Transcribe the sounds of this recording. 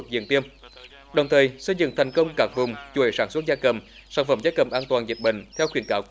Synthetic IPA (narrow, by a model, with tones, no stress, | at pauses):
k̚zḭ˧˨ənt̪i˧əm | ɗə˨˩wŋ͡mt̪ʰəː˨˩jsə˧jzɨ̰˧˨ŋt̪ʰɛ˨˩jŋ̟kə˧wŋ͡mkaː˦˥k̚vʊ˨˩ŋ͡mt͡ɕu˨˧˩ḛ˧˩saː˧˩nswə˦˥t̚zaː˧kə˨˩msaː˧˩nfə̰˧˥mzaː˧kə˨˩mʔaː˧nt̪waː˨˩nzi˨˩t̚ɓḭ˧˨ŋ̟t̪ʰɛ˧wxwi˧˩ənkaː˧˦w